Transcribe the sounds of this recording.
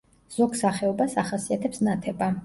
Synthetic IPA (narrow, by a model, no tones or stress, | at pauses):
z̥ɔɡsaχɛɔbasaχasiat̪ʰɛpsnat̪ʰɛba